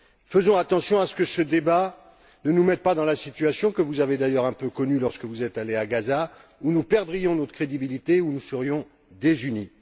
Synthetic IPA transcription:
fəzɔ̃at̪ɑ̃sjɔ̃asə̥kəsəd̪eba | nənumɛt̪̚pad̪ɑ̃lasit̪yasjɔ̃kəvuzaved̪ajœʁɛ̃pøkɔnylɔʁskəvuzɛt̪aleaɡaza | unupɛʁd̪ʁijɔ̃nɔt̪χəkχed̪ibilit̪eunusəʁjɔ̃ | d̪ezyni

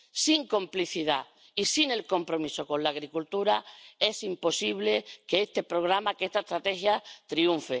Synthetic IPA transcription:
siŋkõ̞mpliθiða | isine̞lko̞mpɾo̞miso̞kõ̞nlaːɣɾikult̪uɾae̞simpo̞siβle̞ke̞est̪e̞pɾo̞ɣ̞ɾamakeest̪aest̪ɾat̪e̞xjat̪ɾiũɱfe

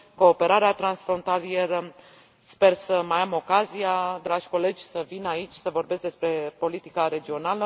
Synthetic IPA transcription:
ko̞ːpe̞ɾaɾeat̪ɾansfɾo̞nt̪alijeɾə | spe̞rsəmajamo̞kazijad̪ɾaʒʲko̞le̞d͡ʒʲsəvinait͡ʃʲsəvo̞rbesk̚d̪espɾe̞po̞lit̪ikaɾe̞d͡ʒio̞nalə

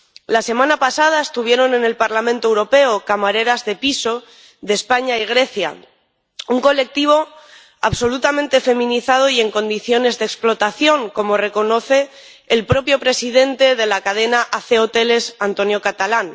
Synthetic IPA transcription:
lase̞mãnapasað̞aest̪uβ̞je̞ɾo̞ne̞ne̞lpaɾlamẽnt̪oewɾo̞pe̞okamaɾe̞ɾazðe̞piso̞ | ðespaɲaiɣ̞ɾe̞θja̰ | uŋko̞le̞k̚t̪iβ̞o̞ | a̰βso̞lut̪amẽnt̪e̞fe̞mĩniθað̞o̞ie̞ŋkõ̞nd̪iθjo̞ne̞zðeksplo̞t̪aθjo̞ŋko̞mo̞re̞ko̞no̞θe̞ː | lpɾo̞pjo̞pɾe̞siðe̞nt̪e̞ð̞e̞lakað̞e̞naʔaθeot̪e̞le̞sant̪o̞njokat̪alan

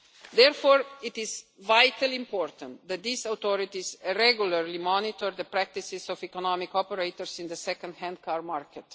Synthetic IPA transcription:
d̪ɛɾfoːɾɪt̪ɪzʋajt̪əlĩmpɔːɾt̪ə̃nt̪d̪ɛt̪̚d̪isawt̪ɔɾit̪izɾɛɡjuləɾlimɔnit̪ɔɾd̪əpɾæk̚t̪isɪsɔfikɔnɔmikɔpɛɾeɪt̪ɔɾsĩnd̪əsɛkə̃nd̪hɛ̃nd̪kaɾmaɾkɛt̪

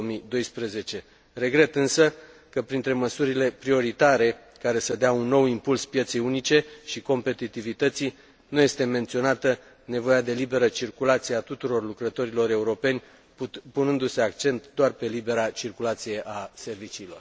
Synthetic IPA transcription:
omid̪o̞jspɾeze̞t͡ʃe̞ | re̞ɡɾe̞t̪ɨnsə | kəpɾint̪ɾe̞məsuɾile̞pɾio̞ɾit̪aɾe̞ | kaɾe̞səd̪eaunːo̞wimpulspje̞t̪se̞junit͡ʃe̞ʃiko̞mpe̞t̪it̪ivit̪ət̪si | nuje̞st̪e̞me̞nt̪sio̞nat̪ə | ne̞vo̞jad̪e̞libe̞ɾət͡ʃirkulat̪sijeat̪ut̪uɾo̞rlukɾət̪o̞ɾilo̞ɾe̞uɾo̞pe̞nʲ | punɨnd̪use̞akt͡ʃe̞nt̪d̪oarpe̞libe̞ɾat͡ʃirkulat̪sije̞ʔase̞rvit͡ʃiːlo̞̰r

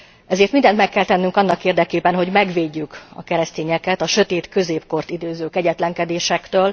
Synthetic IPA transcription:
ɛzeːrt̪mind̪ɛnt̪mɛkːɛlt̪ɛnːyŋkɒnːɒkeːrd̪ɛkeːbɛnɦo̞ɟmɛɡʋeːɟːykɒ̰kɛɾɛst̪eːɲɛkɛt̪ɒʃø̞t̪eːt̪kø̞zeːpko̞rt̪id̪øːzøːkɛɟɛt̪lɛŋkɛd̪eːʃɛkt̪øːl

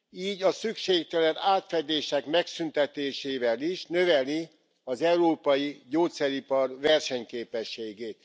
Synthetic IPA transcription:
iːɟɒsykʃeːk̚t̪ɛlɛnaːt̪fɛd̪eːʃɛkmɛksynt̪ɛt̪eːʃeːvɛliʃnø̞vɛli | ɒzɛuɾoːpɒjiɟoːt̪sɛɾipɒrvɛrʃɛɲkeːpɛʃːeːɡeːt̪

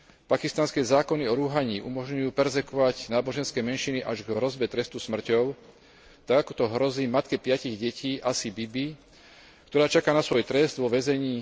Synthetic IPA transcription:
pakist̪anskɛːzaːkɔniɔɾuɦaɲiːʔumɔʒɲujuːpɛɾzɛkɔʋaɟnaːbɔʒɛnskɛːmɛnʃiniʔaʒɡɦɾɔzbɛt̪ɾɛst̪usmr̩cɔʊ | t̪aɡakɔ̥t̪ɔɦɾɔziːmat̪kɛpɪaciɣɟɛcʰiːʔasibibi | kt̪ɔɾaːt͡ʃakaːnasʋɔjt̪ɾɛzd̪ʋɔʋɛzɛɲiː

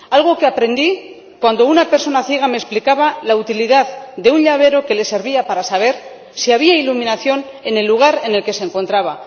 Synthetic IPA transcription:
alɣ̞o̞ke̞apɾe̞nd̪i | kwand̪o̞unape̞ɾso̞naθje̞ɣ̞ame̞splikaβalaut̪iliðaðd̪e̞unʎaβe̞ɾo̞ke̞le̞se̞ɾβiapaɾasaβ̞e̞ɾ | siaβ̞iailumĩnaθjo̞n | e̞ne̞lːuɣ̞aɾe̞ne̞lke̞se̞ŋko̞nt̪ɾaβa

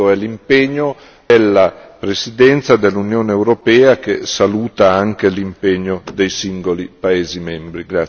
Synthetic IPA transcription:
oɛlimpeɲːo | d̪elːapɾesid̪ɛnt̪sad̪elːunjoːneːwɾopɛːakesaluːt̪aaŋkelimpeɲːod̪ejsiŋɡolipaeːzimɛmbɾiɡɾa

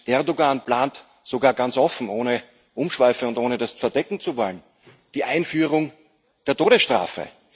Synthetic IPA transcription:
ɛɐdoɡanplaːnt | z̥oɡaːɐɡant͡sʔɔfn̩ʔoːnə | ʔʊmʃv̥aɪfəʊntʔoːnədasfɛɐdɛkŋ̩t͡suvɔlən | d̥iːʔaɪnfyːʁ̞ʊŋ | d̥eːɐtoːɾəsʃtʁ̥a̰ːfə̰

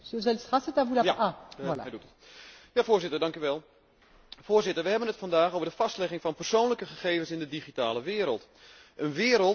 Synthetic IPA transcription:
szɛlsʁasɛtavulaaaa̰ɛjdutətjafoːrzɪtərdɑŋkyʋɛlˠ | foːrzɪtərʋəɦɛbənətfɑndaːxowvərdəfɑstlɛχɪŋfɑnpərsoːnləkəχəχeːvənsɪndədiχitaːləʋɪəɾə̰lˠt | ʔənʋɪːɾəlˠt

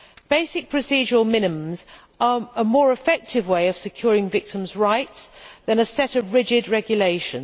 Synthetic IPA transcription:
b̥eɪsɪk̚pʰɹ̥əsiːd͡ʒəɹəlˠmɪ̃nɪmə̃mz | əəmɔːɹɪfɛk̚tʰɪvweɪəv̥sɪkʰj̥ɔːɹɪ̃ŋvɪk̚tʰɪ̃mzɹaɪtsðə̃nəsɛtəvɹɪd͡ʒɪdɹɛɡjəleɪʃə̃n

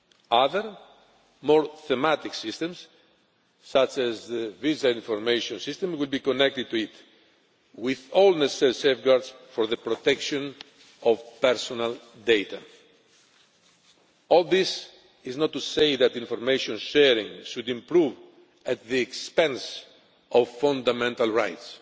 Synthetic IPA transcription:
aðəɾ | mɔɹθɛmat̪iksist̪ɛ̃msː | at͡ʃæzðəvizaĩɱfoɾmejʃɔ̃nsist̪ə̃mwilbikɔnɛk̚t̪ɨd̪̚t̪uit̪ | wiðɔlnɛssaɾisefɡaɾd̪sfɔɾðəpɾot̪ɛkʃɔ̃n | ɔvpɛɾsɔnal | d̪ejt̪ʰa | ɔlˠðis | iznɔt̪ːusejðæt̪ĩɱfɔɾmeʃɔ̃nʃɛɾĩŋʃud̪ĩmpɾuv | at̪̚ðiɛkspɛ̃ns | ɔvfãnd̪amɛ̃nt̪alɹa̰jt̪s

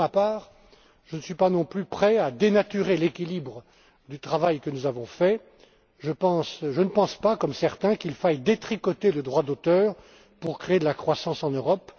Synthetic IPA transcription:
mapaːʁ | ʒənəsɥipanɔ̃plypχɛad̪enat̪yʁelekʲilibʁə | d̪yt̪χavajkənuzavɔ̃fɛ | ʒəpɑ̃sʒənəpɑ̃spakɔmsɛʁt̪ɛ̃kilfajd̪et̪χikɔt̪eləd̪ʁwad̪ot̪œːʁ | puʁkχeːd̪əlakχwasɑ̃sɑ̃nøʁɔp

